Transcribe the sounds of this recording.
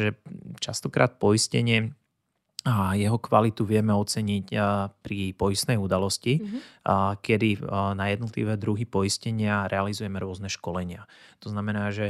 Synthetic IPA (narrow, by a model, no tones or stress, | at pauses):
ʒɛt͡ʃast̪ɔkɾʔa̰ːt̪̚pɔiscɛɲɪɛ | jɛɦɔkʋalit̪uʋɪɛmɛɔt͡sɛɲicpɾipɔjist̪nɛjud̪alɔsci | kɛd̪inajɛd̪nɔt̪lḭʋɛːd̪ɾuɦipɔiscɛɲɪaɾɛalizujɛmɛɾʊɔznɛʃkɔlɛɲɪat̪ɔznamɛnaːʒɛ